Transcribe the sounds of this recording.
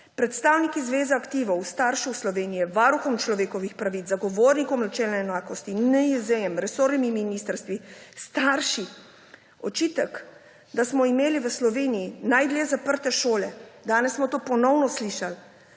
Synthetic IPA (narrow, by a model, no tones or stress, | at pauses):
pɾɛt̪st̪aːwnikizʋeːzaakt̪iːʋɔwst̪aɾʃuwslɔʋeːnijɛʋaɾuxɔmt͡ʃlɔʋeːkɔʋixpɾaʋit̪zaɡɔʋoːɾnikɔmnat͡ʃɛːlnɛɛnaːkɔst̪inɛjɛzɛjɛmɾɛsoːɾnimiminiːst̪əɾst̪ʋist̪aɾʃi | ɔt͡ʃiːt̪ɛk | d̪asmɔimeːliʋəslɔʋeːnijinajd̪ljɛzapəɾt̪ɛʃoːlɛd̪aːnɛsːmɔt̪oːpɔnɔwnɔsliːʃal